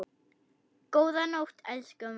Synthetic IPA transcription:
kowðanowht̪ʰɛlskœm

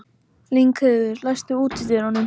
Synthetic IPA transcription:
liŋkheðʏɾlajst̪ʏuːt̪iðɛɾawnʏm

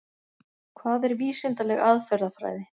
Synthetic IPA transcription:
kʰvaːðɛɾviːsɪnt̪alɛɣaðfɛɾðafɾa̰ːjðɪ

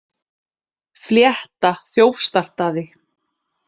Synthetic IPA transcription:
fljɛht̪aθjoːwfst̪ar̥t̪aðɪ

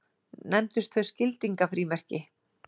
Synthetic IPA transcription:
nɛmt̪ʏst̪θœ̥scɪlt̪iŋkafɾiːmɛr̥cɪ

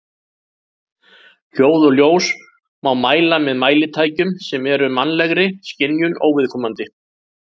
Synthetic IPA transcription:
l̥joːwðɔljoːws | mawmaːjlamɛðmaːjlɪt̪ʰaːjcʏmsɛmɛɾʏmanlɛɣɾɪscɪnjʏnʔo̰ːwvɪðkʰɔːmant̪ɪ

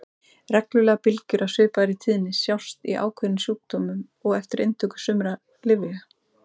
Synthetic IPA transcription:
rɛklʏlɛɣapɪlcʏɾʔawsʏːpaɾɪt̪ʰiːðnɪsjawst̪iʔa̰ːwkʰvœnɪsjuːk̚t̪ɔːmʏm | ɔɣɛft̪ɪɾʔejnt̪ʰœkʏ̥sʏmɾa | lɪvɪa

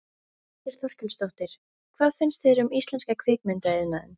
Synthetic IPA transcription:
ɛɾ̥θɔr̥cʏlst̪owht̪ɪɾ̥ | kʰvaːðfɪnst̪vɪɾʏmist̪lɛnskakʰvɪːkmʏnt̪aɪðnaðʏ̰m

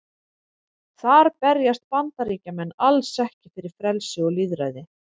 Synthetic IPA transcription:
θaɾpɛɾjast̪̚pant̪aɾiːcamɛnːalsɛhcɪfɪɾɪɾ̥fɾɛlsɪɔɣliðɾa̰jðɪ

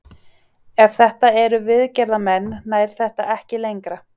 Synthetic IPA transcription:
ɛfθɛht̪aɛɾʏvɪðcɛɾðamɛnːaːjɾ̥θɛht̪aʔɛhcɪlejŋkɾa

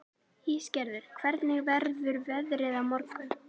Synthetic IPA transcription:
hiːscɛɾðʏɾ̥kʰvɛɾt̪nɪɣvɛɾðʏɾvɛðɾɪðamɔɾkʏ

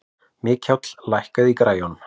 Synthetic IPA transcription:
mɪːchawt̪l̥lajhkaðikɾaːjɔn

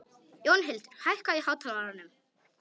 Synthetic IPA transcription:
jownɦɪlt̪hajhkaihaːwt̪ʰalmaɾanʏm

